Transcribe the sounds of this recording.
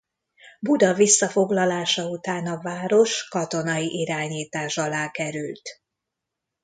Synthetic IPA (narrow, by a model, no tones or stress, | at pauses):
bud̪ɒvisːɒfo̞ɡlɒlaːʃɒut̪aːnɒvaːɾo̞ʃkɒt̪o̞nɒjiʔiɾaːɲiːt̪aːʃɒlaːkɛɾylt̪